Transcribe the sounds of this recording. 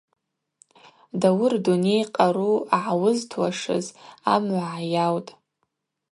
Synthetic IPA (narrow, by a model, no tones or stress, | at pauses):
dawʊrdunejqʼaɾuaʕawʊztʰwaʂɨ̰za̰mʕʷaʕajawtʼ